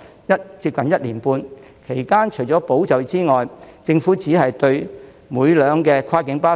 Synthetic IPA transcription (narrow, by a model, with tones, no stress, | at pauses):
jɐ˥t̚t͡siː˧p̚kɐ˨njɐ˥t̚liː˨˩npuː˧n | kʰe˨˩jkaː˥nt͡ʃʰɵ˨˩jt͡sɔː˨˥po˨˥wt͡sɐ˨˩wt͡siː˥ŋɔː˨jt͡sɪ˧ŋfuː˨˥t͡siː˨˥ɦɐ˨jt̪ɵ˧ɥ | muː˨˧jlœː˨˧ŋkɛː˧kʰaː˥kɪ˨˥ŋpaː˥